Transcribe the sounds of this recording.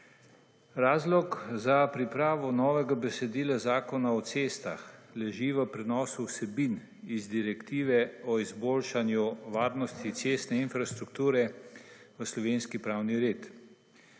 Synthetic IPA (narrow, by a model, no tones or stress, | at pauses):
ɾaːzlɔkzapɾipɾaːʋɔnɔːʋɛɡabɛsɛd̪iːlazaːkɔnaɔt̪seːst̪a̰xlɛʒiʋəpɾɛnɔːsuwsɛbin | izd̪iɾɛkt̪iːʋɛɔizboːlʃanjuʋaːɾnɔst̪it̪seːst̪nɛinfɾast̪ɾukt̪uːɾɛ | ʋəslɔʋeːnskipɾaːwniɾet̪